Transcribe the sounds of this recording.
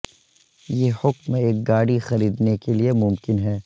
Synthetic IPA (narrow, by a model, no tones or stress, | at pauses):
jehʊkmeeːk̚ɡaːɽixɐɾiːd̪nekeliemʊmkɪnɦɛː